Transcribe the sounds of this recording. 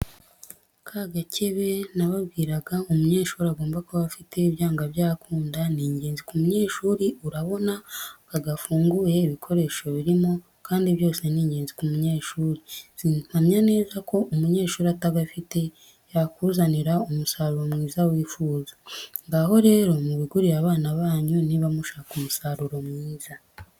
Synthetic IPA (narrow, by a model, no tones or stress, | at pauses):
kʰaɡacʰeβe̞naβabɡiːɾaɡaumuɲe̞ːʃuːɾiaɡo̞ːmbakuβafite̞iβjaːŋɡaβjaːkuːndaniːɲɟeːnzikumuɲe̞ːʃuɾiuɾaβo̞naaɡafuːŋɡuje̞iβikʰo̞ɾe̞ʃo̞βiɾimo̞ | kʰaːndiβjo̞ːse̞niːɲɟeːnzikumuɲe̞ːʃuːɾisinamɲane̞ːzako̞ʔumuɲe̞ːʃuːɾiataɡafite̞ | jakuzaniɾaumusaːɾuɾo̞mŋiːzawiːfuːzaŋɡaɦo̞ɾe̞ːɾo̞muβiɡuɾijaβaːnaβaːɲuniβamuʃaːkumusaɾuɾo̞mŋiːza